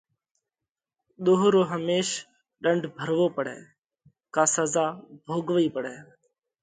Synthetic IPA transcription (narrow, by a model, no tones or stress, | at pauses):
ɗ̪oːɦɾoːɦəmeːʃ | ɗəɳɖʱbʱəɾʋoːpəɽɛ̰ː | kaːsəzaːbʱoːɡʋəiːpəɽɛː